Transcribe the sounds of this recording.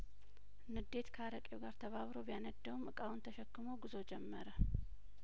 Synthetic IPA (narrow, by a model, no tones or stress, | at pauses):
nɨd̪e̞t̪kʰəaɾəkʼeɡaɾt̪ʰəβaβɾo̞bjanəd̪ːəwumɨkʼawunt̪ʰəʃɛkːɨmoɡɨzo̞d͡ʒɛmːəɾə